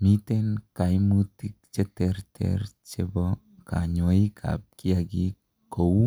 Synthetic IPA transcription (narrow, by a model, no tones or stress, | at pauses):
mit̪enkajmut̪ik̚t͡ʃet̪eɾt̪ʰḛɾt͡ʃebo | ka̰ɲoikʰa̰p̚kiaɡi | ko